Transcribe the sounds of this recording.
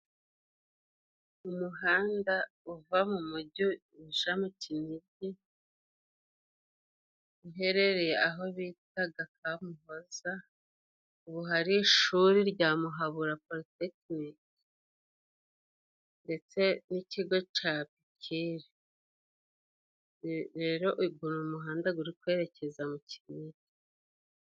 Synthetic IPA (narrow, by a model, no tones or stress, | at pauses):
umuɦaːndauvamumuɟu | iʒamuciniɟi | uɦe̞ɾe̞ɾejeaɦo̞βitaɡakʰamuɦo̞za | uβuɦaɾiʃuɾiɾɟaːmuɦaβuɾapoɾitekniki | nde̞t͡se̞niciɡo̞t͡ʃapicʰiɾe | ɾe̞ːɾo̞ʔuiɡunuumuɦaːndaɡuɾikwe̞ːɾe̞cʰe̞zamucʰi̥ɲiɟi